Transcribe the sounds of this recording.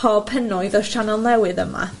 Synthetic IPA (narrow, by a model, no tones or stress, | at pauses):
ɔpʰənɔɨðɔʃanɔnlˠɛwɨðəma̰